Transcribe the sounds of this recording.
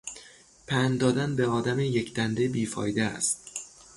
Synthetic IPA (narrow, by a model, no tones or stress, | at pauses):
pʰænd̪ɒːd̪ænbeɒːd̪æmejecʰd̪ænd̪ebiːfɒ̰ːjd̪eæ̰st̪